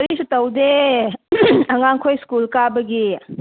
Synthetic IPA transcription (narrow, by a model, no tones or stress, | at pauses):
ɾisutɐwde | ɐŋaŋkʰojskulkabɐɡi